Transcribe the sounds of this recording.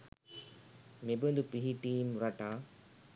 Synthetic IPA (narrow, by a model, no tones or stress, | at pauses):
mebend̪upiɦiʈiːmɾɐʈaː